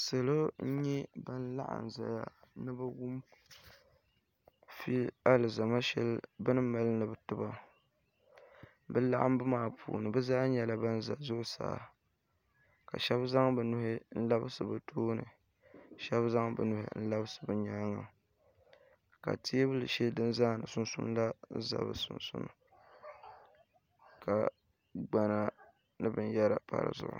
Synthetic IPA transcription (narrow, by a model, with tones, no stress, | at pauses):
sɨ˨lo˦ɲɛ˦ba˦n̩˦la̰˦ʔa̰˨n˨za̰˨ja̰˨nɨ˦ba˦wʊ˦m | fi˦la˦lɨ˨za˨ma˦ʃɛ̰˦lbɨ˦nɨ˦ma˨˦lnɨ˨bɨ˨tʊ˦ba˦ | bɨ˦la̰˦ʔa˦m˦bɨ˦maː˨pʰṵː˨nɨ˨bɨ˦zaː˦ɲɛ˦la˦ba˦n˦za˨zʊ˦ʔʊ˦sa̰ː˨ | ka˨ʃɛ˦bza˦ŋbɨ˨nʊ˨˦hɪ˦n̩˦la˦bɨ˦sɨ˨bɨ˨tʰoː˦nɨ̰˨ | ʃɛ˦bza˦ŋbɨ̰˨nʊ˨hɪ̰˦n̩˦la˦bɨ˦sɨ̥˨bɨ˨ɲaː˦ŋa˨ | ka̰˨ti˦bɨ˦lɨ˨ʃi˦dɨ˦nzaː˦˨nɨ˨sʊ˦n˦sʊ̰˦n˦la˦za̰˨bɨ̰˨sʊ̰˨nsʊ˦n̰˨ | ka˨ | ɡ͡ba˨na˦ | nɨ˦bɨ˦n˦jɛ˦ɾa˨pa̰˦˨ɾɨ̰˨zʊ̰˨ʔʊ̰˨